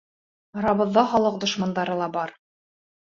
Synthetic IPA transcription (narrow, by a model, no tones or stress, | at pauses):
ɑɾɑβɤ̆ðːɑχɑlˠɤq̚d̪ŏʃmɑnd̪ɑɾɤlˠɑbɑɾ